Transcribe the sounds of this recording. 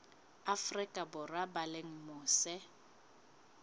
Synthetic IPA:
afrɪkʼabʊrabaleŋ̩mʊːsɛ

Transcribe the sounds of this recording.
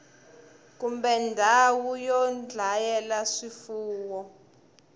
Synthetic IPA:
k̬umbɛndʱawujɔnd͡ɮʱajɛlaʂifuːwɔ

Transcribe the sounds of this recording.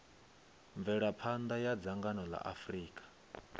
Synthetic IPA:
ɱvɛɺapʰand̪ajad͡zaŋɡanɔla̰ʔafriːkʼḁ

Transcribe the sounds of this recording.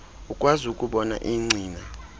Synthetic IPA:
ukʼwazukʼuɓɔna̰ʔiŋ͡ǀʱiːna

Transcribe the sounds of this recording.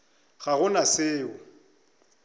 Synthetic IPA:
ɣaɣʊnasɪːʊ

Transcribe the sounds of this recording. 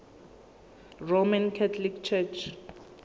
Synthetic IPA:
romãnkʰatʰlikt͡ʃʰɛt͡ʃʰ

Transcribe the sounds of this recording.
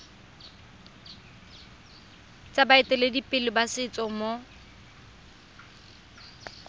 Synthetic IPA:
t͡sʼabaɪtʼɛledipʼɪlɪbasɪt͡sʼɔmɔ

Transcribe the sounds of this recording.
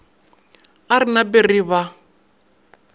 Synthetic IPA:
aɾinaberiβa

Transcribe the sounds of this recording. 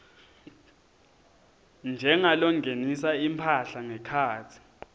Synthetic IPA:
nd͡ʒʱɛŋalɔŋɡʱenisaimpʰaɬaŋɛkʰaːtʰi̥

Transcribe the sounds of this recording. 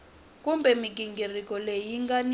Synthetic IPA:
k̬ʼumbʱɛmik̬ʼiŋɡirikʼɔlejiŋɡan

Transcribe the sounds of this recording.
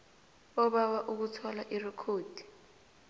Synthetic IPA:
ɔɓawaʔuk̬utʰɔlaʔirɛkʰoːd̥ʱi̥

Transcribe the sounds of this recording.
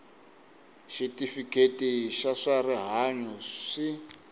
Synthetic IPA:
ʃitifiketiʃaʂariɦaɲɔʂi

